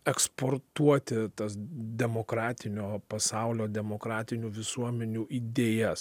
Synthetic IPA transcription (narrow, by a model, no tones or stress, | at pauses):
ɛkspoːɾt̪uɔt̪ʲɪt̪ɐsd̪ʲɛmoːkɾɑːt̪ʲɪnʲoːpɐsɑˑʊlʲoːd̪ʲɛmoːkɾɑːt̪ʲɪnʲuːʋʲɪsuɔmʲɛnʲuːʔiːd̪ʲeːjɛs